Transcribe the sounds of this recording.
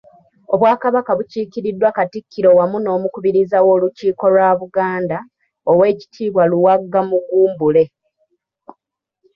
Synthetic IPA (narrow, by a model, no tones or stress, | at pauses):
o̞βwaːkaβakaβuciːkiɾidːwakatikːiɾo̞wamuno̞ːmukuβiɾizawo̞ːluciːko̞lwaːβuɡaːnda | owe̞ːci̥tʰiːβwaluwaɡːamuɡuːmbule̞